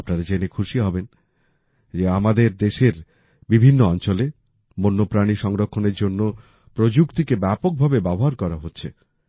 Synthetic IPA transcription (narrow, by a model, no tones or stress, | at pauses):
pnaɾad͡ʑenekʰuʃiɦɔben | d͡ʑeamad̪eɾd̪eʃeɾ | bibʱinːoɔnt͡ɕole | monːopɾaɽiʃɔŋɾokʰːoneɾd͡ʑonːo | pɾod͡ʑukt̪ikebɛpok̚bʱabebɛboɦaɾkɔɾaɦotːɕʰe